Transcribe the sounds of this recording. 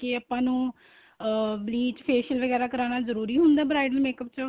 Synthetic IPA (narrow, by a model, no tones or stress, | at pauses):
kɪəpãːnũː | bliːt͡ʃpʰeːʃəlʋəɡɛːɾaːkəɾaːnaːzəɾuːɾiːɦʊnd̪aːbɾaːɪɖəɾmeːkəpt͡ʃə